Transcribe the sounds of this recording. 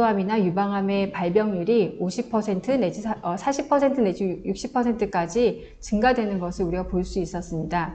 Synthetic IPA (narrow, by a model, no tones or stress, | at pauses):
oɦaminajubaŋɦame̞paɭbjʌŋjuɾioɕʰipʰʌsʰe̞ntʰɯne̞d͡ʑiʌsʰaɕʰipʰʌsʰe̞ntʰɯne̞d͡ʑujuk̚ɕ͈ipʰʌsʰe̞ntʰɯk͈ad͡ʑi | t͡ɕɯŋɡadwe̞nɯnɡʌsʰɯɾuɾiɡapoɭs͈uis͈ʌs͈ɯmɲida